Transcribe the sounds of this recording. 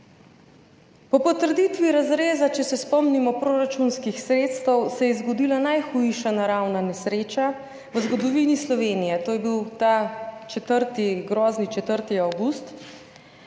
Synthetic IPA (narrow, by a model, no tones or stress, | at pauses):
pɔpɔt̪əɾd̪it̪ʋiɾazɾeːzat͡ʃɛsɛspɔmnimɔpɾoːɾat͡ʃunskixsɾeːt̪st̪ɛwsɛjɛzɡɔd̪iːlanajxujʃanaɾawnanɛsɾeːt͡ʃa | ʋəzɡɔd̪ɔʋinislɔʋeːnijɛt̪oːjɛbiwt̪at͡ʃɛt̪əɾt̪iɡɾɔːznit͡ʃɛt̪əɾt̪iawɡust̪